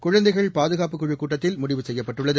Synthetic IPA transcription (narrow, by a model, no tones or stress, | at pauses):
kʊɻɐnd̪ɐɪɣɐɭpaːðɯɣaːpɯkːʊɻɯkːuːʈːɐt̪ːɪlmʊɽɪʋɯsɛjːɐpːɐʈːɯɭːɐðɯ